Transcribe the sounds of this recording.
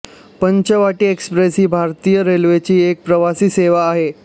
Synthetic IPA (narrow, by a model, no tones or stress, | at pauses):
pəɲt͡ɕəʋaʈiːekspɾesɦiːbʱaɾt̪ijəɾelʋet͡ɕiːek̚pɾəʋasiːseʋaːɦe